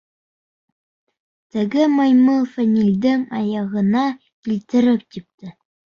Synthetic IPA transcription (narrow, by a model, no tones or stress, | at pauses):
t̪ɘ̆ɡɘmajmɤlˠfænʲilʲd̪ɘŋɑjɑʁɤ̆nɑ | kilt̪ɘ̆ɾɘp̚t̪ip̚t̪ɘ